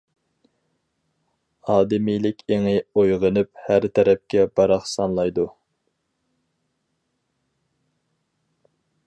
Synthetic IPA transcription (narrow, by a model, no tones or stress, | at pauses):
ɑːd̪ɪmijlɪkʲʰeŋɪojʁənɨphæɾt̪ʰɛɾɛp̚kʲɛbɑɾɑχsɑnlˠɑjd̪u